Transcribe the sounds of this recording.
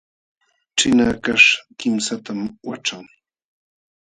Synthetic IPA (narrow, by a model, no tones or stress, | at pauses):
ʈ͡ʂɪnakaʂkɪmsat̪amwa̰ʈ͡ʂaŋ